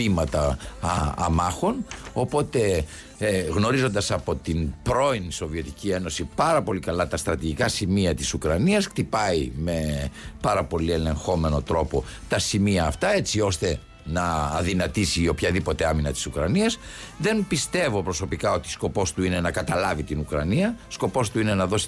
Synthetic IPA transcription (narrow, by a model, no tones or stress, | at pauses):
pimɐt̪ɐ̰ː | mɐxo̞no̞po̞t̪e̞ | ɣno̞ɾizo̞nd̪ɐsɐpo̞t̪inpɾo̞inso̞vie̞t̪i̥cie̞no̞sipɐɾɐpo̞likɐlɐt̪ɐst̪ɾɐt̪iʝikɐsimiɐt̪i̥sukɾɐniɐskt̪ipɐime̞pɐɾɐpo̞lie̞le̞ŋxo̞me̞no̞t̪ɾo̞po̞t̪ɐsimiɐːft̪ɐe̞t͡sio̞st̪e̞ | nɐːðinɐt̪isio̞pçɐðipo̞t̪eaminɐt̪i̥sukɾɐniɐs | ðe̞mpist̪e̞vo̞pɾoso̞pikɐo̞t̪isko̞po̞st̪uine̞nɐkɐt̪ɐlɐvit̪inukɾɐniɐsko̞po̞st̪uine̞nɐðo̞si̥